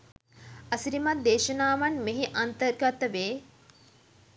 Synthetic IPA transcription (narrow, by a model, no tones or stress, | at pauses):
ɐsiɾimat̪̚d̪eːʃənaːʋanmeɦiʔɐnt̪ərɡat̪əʋeː